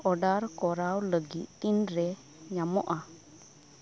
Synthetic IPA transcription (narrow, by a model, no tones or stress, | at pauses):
ɔɖaɾkɔɾawləɡit̪̚ˀtinɾɛ | ɲamɔʔa